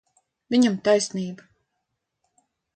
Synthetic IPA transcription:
vʲiɲamt̪ajsniːba

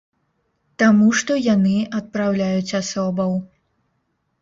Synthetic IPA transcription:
t̪amuʂt̪ɔjanɨɐt̪̚pɾawlʲajut͡sʲasɔbɐw

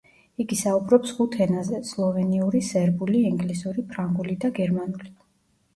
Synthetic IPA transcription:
iɡisaubɾɔpsχut̪ʰɛnazɛslˠɔvɛniuɾisɛɾbuliɛŋɡlisuɾipʰɾaŋɡulid̪aɡɛɾmanuli

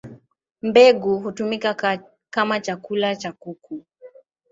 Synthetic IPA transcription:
m̩bɛɡuɦutumika | kamat͡ʃakulat͡ʃakuku

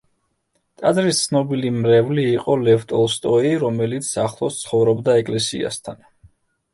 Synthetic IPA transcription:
t̪ʼad̪zɾist̪sʰnɔbilimɾɛvliːqʼɔlɛft̪ʼɔlˠst̪ʼɔiɾɔmɛlit̪sʰaχlˠɔst̪sʰχɔvɾɔbd̪aɛkʼlɛsḭa̰st̪ʰan

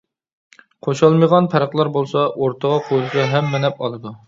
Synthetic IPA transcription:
qʰoʃɑlˠmɨʁɑnpʰɛɾəqlˠɑɾbolˠsɑʔoɾt̪ʰəʁɑqʰolˠsɑɦɛmːɪnɛpɑlˠɨd̪u

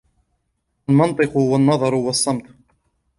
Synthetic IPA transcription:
lmɑnt̪ˤɨqʊʊwanːɑðˤɑɾˤwɑsˤːɑmt̪ˤ

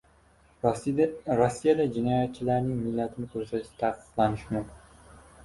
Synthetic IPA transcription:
ɾosːijad̪ad͡ʒɪnɒjat̪̚t͡ʃʰɪlaɾnɪŋmɪlːat̪ʰɪnɪkʲʰɵɾsat̪t̪ʰaqɨ̥qlˠanɪʃmʊ

